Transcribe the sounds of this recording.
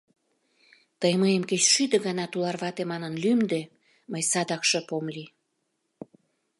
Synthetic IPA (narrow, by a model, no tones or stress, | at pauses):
t̪əjməjəmket͡ɕʃyd̪ə̆ɣɑnɑt̪ulɑrβɑt̪emɑnənlymd̪ĕ | məjsɑd̪ɑkʃĕpomli